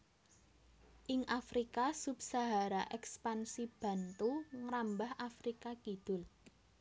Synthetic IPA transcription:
ʔɪŋʔafɾikasubsaɦaɾaʔɛkspansib̥ä̤nt̪uŋɾambahʔafɾikakid̪̥ʊ̤l

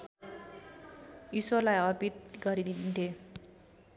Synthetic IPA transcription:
isolajʌrpit̪̚ɡʌɾid̪id̪int̪ʰe

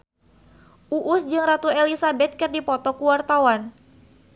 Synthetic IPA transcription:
ʔuʔʊsd͡ʒɨŋrat̪uelisabɛt̪̚kɨrdipɔt̪ɔkuwart̪awan

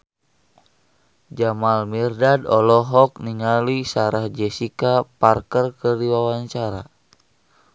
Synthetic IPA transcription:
d͡ʒamalmirdadɔlɔɦɔk̚niŋalisaɾahd͡ʒɛsikaparkərkərdiwawaɲt͡ʃaɾa̰

